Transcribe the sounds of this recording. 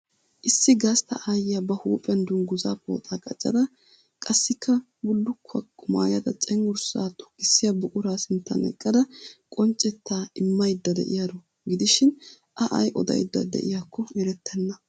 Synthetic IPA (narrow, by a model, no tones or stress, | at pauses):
ʔɪsːɪɡast̪ɐʔaːjɪjɐbɐhuːpʼɛnd̪ʊnɡʊzaːpo̰ːt̪ʼaːkʼɐt͡ʃʼːɐ̰d̪ɐ | kʼɐsːɪkʰːɐ | bʊlːʊkʰːɐkːʊma̰ːjɐd̪ɐt͡sʼɛŋːʊɾsaːt̪ʊ̥kːɪsːɪjɐbʊkʼʊɾaːsɪnt̪ːɐ̰nɛ̰kʼːɐd̪ɐkʼɔnt͡ʃʼːɛt̪ːaːɪmːɐjd̪ːɐd̪ɛ̰ʔɪjad̪ɔ | ɡɪd̪ɪʃɪn | ʔɐʔɐ̰jʔɔ̰d̪ɐ̰jd̪ːɐ̰d̪ɛ̰ʔɪjakʰːɔɪɾɛt̪ʰːɛnːɐ